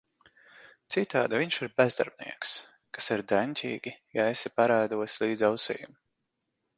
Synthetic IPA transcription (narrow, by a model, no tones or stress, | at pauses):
t̪sit̪aːd̪aviɲʃiɾbʲɛzd̪a̰ɾb̚nḭɛks | kḁsiɾd̪ɛnʲtʲḭːɡʲijaɛsipaɾaːd̪uɔslˠiːd̪zawsɛ̰jum